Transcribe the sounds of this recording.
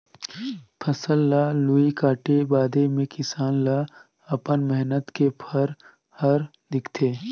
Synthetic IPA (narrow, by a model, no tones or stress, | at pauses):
pʰɐsəlːaːluikaːʈebaːd̪emẽkɪsaːnla | ɐpənmɛɦnət̪kepʰɐɾ | hɐɾ | d̪ɪkʰt̪ʰeː